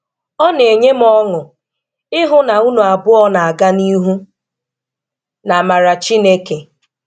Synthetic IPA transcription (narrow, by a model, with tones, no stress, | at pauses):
ɔ˦ne˨ɲe˦m̩˦ɔ˦ŋʊ˨ | ɪ˦ɦʊ˦na˨u˦nu˨a˨bʊ˦ɔ˦na˨a˨ɡa˦ni˦ɦu˦ | na˨ma˨ɾa˨t͡ʃi˦ne˦ke˨